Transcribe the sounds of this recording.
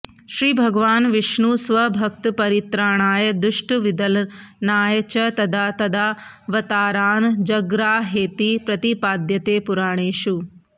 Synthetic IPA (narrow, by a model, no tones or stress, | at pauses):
ʃɾiːbʱɐɡʋaːnʋɪʃnuːsʋɐbʱɐk̚t̪pɐɾit̪ɾaːɳ̃aːjd̪ʊʃʈʋid̪ɐlnaːjt͡ʃɐt̪ɐd̪ʱaːt̪ɐd̪ʱaː | ʋɐt̪aːɾaːnd͡ʒɐɡɾaːɦeːt̪ipɾɐt̪ipaːd̪jɐt̪eːpuɾaːɽ̃eːʃu